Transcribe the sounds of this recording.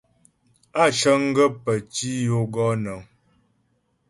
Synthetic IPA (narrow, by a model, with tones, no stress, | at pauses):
a˦˨t͡ʃə˦ŋ̩˦ɡə˦pə˨t͡ʃi˦jo˦ɡɔ˦nə˨ŋ